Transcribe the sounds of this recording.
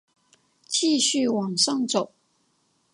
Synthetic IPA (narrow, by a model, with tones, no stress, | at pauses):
t͡ɕʰi˥˧ɕy˥˩wɑ˨˩ŋʂɑ˥˩ŋt͡so˨˩˦ʊ